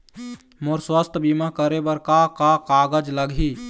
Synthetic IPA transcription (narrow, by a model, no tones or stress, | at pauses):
moːɾswəst̪ʰbimakəɾebəɾkakakaːɡəd͡ʒləɡʱi